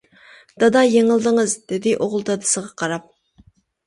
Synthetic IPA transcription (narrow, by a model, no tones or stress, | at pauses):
d̪̥ɑd̪ɑjeŋɨlˠd̪ɨŋɨzd̪̥ɪd̪ɪʔoʁʊlˠd̪ɑd̪ɨsəʁɑqʰɑɾɑp̚